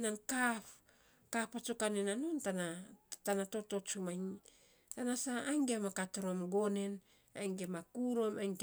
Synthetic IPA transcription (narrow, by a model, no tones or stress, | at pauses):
nankap | kapat͡ʃukanenanontanatanato̞to̞t͡ʃumajn | tanasaajŋɡemakatoɾomɡone̞n | a̰jŋɡemakuɾomajŋɡ